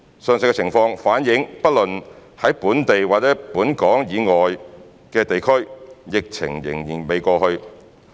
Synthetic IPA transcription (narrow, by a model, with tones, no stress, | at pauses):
sœː˨˧ŋs̬ɪ˧kɛ˧t͡sʰɪ˨˩ŋfɔː˧ŋfaː˨˥njɪ˨˥ŋpɐ˥t̚lɵ˨nhɐ˨˥jpuː˨˥nt̪e˨jwaː˨t͡sɛː˨˥puː˨˥nkɔː˨˥ŋjiː˨˧ŋɔː˨j | kɛː˧t̪e˨jkʰɵ˥ɥjɪ˨k̚t͡sʰɪ̰˨˩ŋjɪ̰˨˩ŋjiː˨˩nme˨˧jkɔː˧hɵ˧ɥ